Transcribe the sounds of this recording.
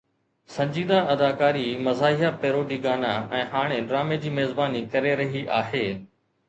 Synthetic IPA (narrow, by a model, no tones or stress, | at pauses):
sɐ̃ɲd͡ʑiːd̪ãʔɐd̪aːkaːɾimɐzaːɪɦapeːɾoːɖiːɡaːnaɛ̃ːɦaːɽ̃eɖɾaːmed͡ʑiːmeːzbaːnikɐɾeɾɐɦiʔaːɦeː